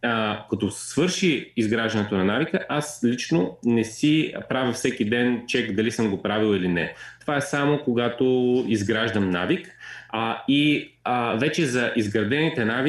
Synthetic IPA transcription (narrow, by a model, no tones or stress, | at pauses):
kɐt̪osɛ̥svɤɾʃiizɡɾaʒd̪ɐnɛt̪onɐnavikəʔaslit͡ʃnonɛsipɾavʲəfsɛkid̪ɛnt͡ʃɛkd̪ɐlisəmɡopɾavilˠilinɛt̪ovaɛsamokoɡat̪oizɡɾaʒd̪əmnavik | i | vɛt͡ʃɛzɐʔizɡɾɐd̪ɛnit̪ɛnavi